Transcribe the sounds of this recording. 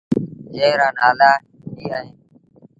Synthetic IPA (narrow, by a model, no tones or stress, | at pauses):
d͡ʒeːɾãːnaːlaː | ɦiːaːɦeːn